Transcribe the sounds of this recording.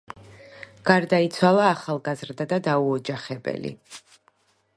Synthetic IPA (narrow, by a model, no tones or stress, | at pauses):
ɡ̥aɾd̪ait̪sʰwalˠaːχalˠɡazɾd̪ad̪ad̪auɔd͡ʒaχɛbɛ̰lḭ